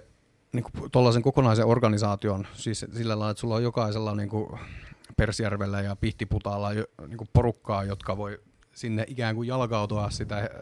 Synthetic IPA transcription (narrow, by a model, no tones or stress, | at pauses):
niːŋkut̪olːɑseŋkokonɑiseorɡɑnisɑːt̪ionsissilːælɑˑilːɑet̪sulːojjokɑiselːɑniːŋku | persjærʋelːæjɑpiht̪iput̪ɑlːɑjniːŋkupporukːɑːjot̪kɑʋoi | sinːeʔikæːŋkujjɑlkɑut̪oɑssit̪æ